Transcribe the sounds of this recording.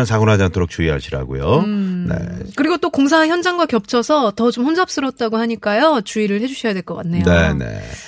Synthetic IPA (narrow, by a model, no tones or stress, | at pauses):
ansʰaɡunɦad͡ʑant͈ʰoɾok̚t͡ɕ͈uiɦa̰ɕʰiɾa̰ɡo̰jone̞̰kɯɾiɡot͈okoŋs̬ʰaeçjʌnd͡ʑaŋɡwakjʌp̚t͡ɕʰʌsʰʌtʌt͡ɕomɸond͡ʑap̚s͈ɯɾʌt̚t͈aɡohaɲik͈ajot͡ɕuiɾɯɭhe̞d͡ʑuɕʰʌjadwe̞ɭk͈ʌk͈at̚ːʰejnoe̞nḛ